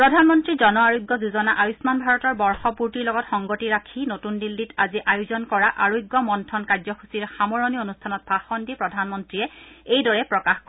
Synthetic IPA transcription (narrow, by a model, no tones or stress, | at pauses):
pɹɔdʱanmɔntɹizɔnɔaɹojɡːɔzuzɔnaʔajusmanbʱaɹɔtɔɹbɔɹxɔpuɹtiɹlɔɡɔtxɔŋɡotiɹakʰinotundilːitaziʔajuzɔnkɔɹaʔaɹojɡːɔmɔntʰɔnkazɔxusiɹxamɔɹɔnionustʰanɔt̚paxɔndipɹɔdʱanmɔntɹiɛejdɔɹɛpɹɔkaxkɔ